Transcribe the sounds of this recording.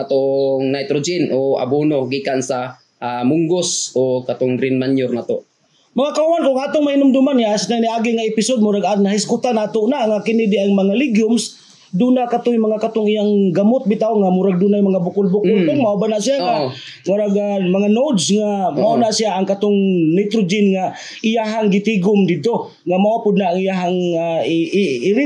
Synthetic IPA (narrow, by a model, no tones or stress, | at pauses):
at̪oŋnajt̪ɾod͡ʒɪnʔoa̰bunoɡiːkansa | ʔamʊŋɡosokat̪ʊŋɾɪnmanjʊrnat̪o | maŋakauankʊŋat̪ʊŋmahɪnʊmd̪ʊmanŋasnaniaːɡɪŋaɪpɪsod̪̚mʊɾaɡanahɪskʊt̪anat̪onaʔŋakɪnɪdɪʔaŋmaŋalɪɡjʊms | dunakat̪ʊjmaŋakat̪ʊŋijaŋɡamʊt̪̚bɪt̪aoŋamʊɾaɡ̚dunajmaŋabʊkʊlbʊkʊlpʊɡmaʔabanaʔsijaŋamaɾaɡamaŋanod̪sŋamaʊnaʔsiaaŋkat̪ʊŋnɪt̪ɾʊd͡ʒɪnŋa | ɪjaɦaŋɡɪt̪iɡʊmd̪ɪd̪̚t̪o | ŋamawapʊd̪̚naʔaŋijaɦaŋa | ɾɪ